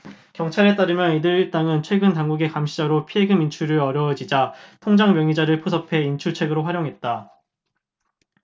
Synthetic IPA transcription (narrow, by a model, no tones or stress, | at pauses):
kjʌŋt͡ɕʰaɾe̞t͈aɾɯmjʌnidɯɭɯt͈aŋɯnt͡ɕʰwe̞ɡɯntaŋɡuɡekamɕʰid͡ʑaɾopʰieɡɯmint͡ɕʰuɾɯʌɾjʌd͡ʑid͡ʑatʰoŋd͡ʑaŋmjʌŋid͡ʑaɾɯɭpʰosʰʌpʰe̞int͡ɕʰut͡ɕʰe̞ɡɯɾoɸwaɾjoŋɦe̞t̚t͈a